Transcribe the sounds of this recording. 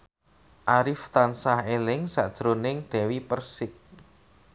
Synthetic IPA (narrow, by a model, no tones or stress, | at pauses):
ʔaɾɪft̪ansahelɪŋsaʔd̥ʒ̥ɾonɪŋd̪̥ɛ̤wipərsɪk̚